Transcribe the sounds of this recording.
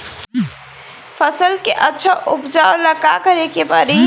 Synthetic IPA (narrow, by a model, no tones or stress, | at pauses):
pʰəsəlkeʔətːʃʰəʔupd͡ʒawləkakəɾekepəɾi